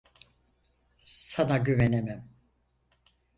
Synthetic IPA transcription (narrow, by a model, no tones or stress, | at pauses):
sanaɟyvenemæm